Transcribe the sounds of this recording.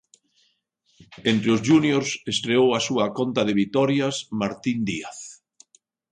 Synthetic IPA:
ent̪ɾeʊzʒunjoɾsest̪ɾeowasuɐkont̪ɐðɪβit̪ɔɾjasmaɾt̪ind̪iaθ

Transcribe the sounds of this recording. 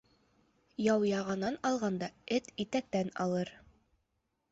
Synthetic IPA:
jɑwjɑʁɑnɑnɑlˠʁɑnd̪ɑɘt̪it̪æk̚t̪ænɑ̰lˠɤɾ

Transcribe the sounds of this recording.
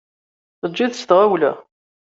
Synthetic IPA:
θəːiðst̪ʁawlæ

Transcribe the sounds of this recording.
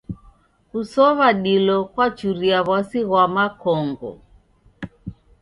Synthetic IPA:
kusɔβaɗilɔkwat͡ʃuɾiaβasiɣwamakɔŋɡɔ̰

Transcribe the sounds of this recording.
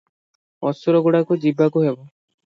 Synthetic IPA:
ɔsuɾɔɡuɽakud͡ʒibːakuɦebɔ

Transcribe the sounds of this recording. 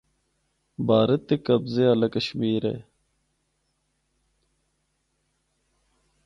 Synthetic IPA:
baːɾɐt̪ːekɐbzeɐlɐkɐɕmiːɾḛ

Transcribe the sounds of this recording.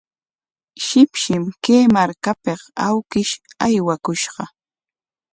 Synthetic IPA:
ʃɪpʃɪmkeːmaɾkapeqawkɪʃajwakʊʃɢɑ

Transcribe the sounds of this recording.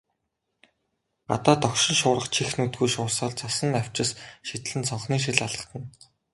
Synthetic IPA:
ɢa̰t̪aːt̪ɔkʃɪ̆nʃʊːɾə̆χt͡ɕʰixnut̪̚ɡujʃʊːsaːɮt͡sʰasə̆naw̥ʲt͡ɕɪ̆sʃit̪ɮɘ̆nsɔɴχniːʃ̬ĭɮaɮə̆t̪ə̆n

